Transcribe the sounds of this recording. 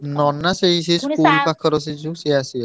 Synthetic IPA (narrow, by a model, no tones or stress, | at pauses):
nɔnːaseiseskulpakʰəɾos̬id͡ʒusiasi